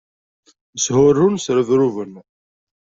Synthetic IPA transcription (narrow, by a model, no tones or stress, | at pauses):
shʊrːunsɾəðɾuvən